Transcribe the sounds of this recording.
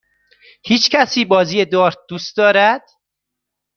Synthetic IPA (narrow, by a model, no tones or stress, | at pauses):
hiːt͡ʃcʰæsiːbɒːziːjed̪ɒːɾt̪̚d̪uːst̪̚d̪ɒːɾæd̪̥